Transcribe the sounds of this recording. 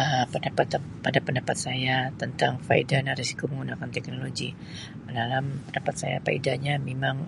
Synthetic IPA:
əpəndapat̪apandapəndapat̪̚sajat̪ənt̪aŋfa̰ḭdanaɾesi̥koməŋɡunakant̪ɛk̚noloɡi | dalampəndapat̪sa̰ja̰pa̰ḭdaɲamemaŋ

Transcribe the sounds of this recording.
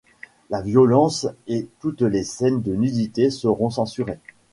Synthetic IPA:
lavjɔlɑ̃set̪ut̪lesɛnd̪ənyd̪it̪esəʁɔ̃sɑ̃syʁe

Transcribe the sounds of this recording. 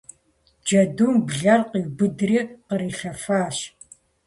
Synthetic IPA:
d͡ʒɐduːmbɮɐrqiwbɨdriːqəɾiːɬɐfaːɕ

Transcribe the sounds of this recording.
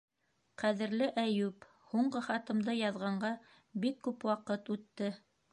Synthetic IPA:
qæðɘ̆ɾlɘʔæjʉp | huɴɢɤχɑt̪ɤ̆md̪ɤjɑðʁɑɴɢɑ | bikːʉpwɑqɤt̪ʉt̪ːɘ

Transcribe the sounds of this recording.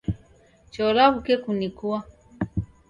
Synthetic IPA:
t͡ʃɔlaβukɛkunikua

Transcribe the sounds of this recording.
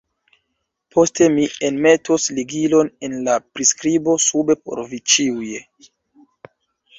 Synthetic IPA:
pʰo̞ste̞mienme̞tʰosliɡilo̞ne̞nlapɾiskɾibo̞sube̞po̰ɾvit͡ʃiuje

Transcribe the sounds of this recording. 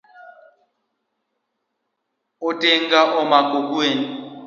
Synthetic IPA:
ʊtʼeŋɡaʔɔmakʼok̬weːni

